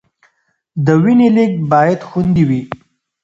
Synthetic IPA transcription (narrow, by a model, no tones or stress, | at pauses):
d̪əwinilik̚bɑjad̪xund̪iwi